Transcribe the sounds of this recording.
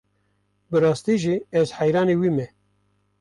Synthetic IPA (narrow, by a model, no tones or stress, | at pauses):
bɨɾɑːst̪iːʒiɛzħæjɾɑːniːwiːmɛ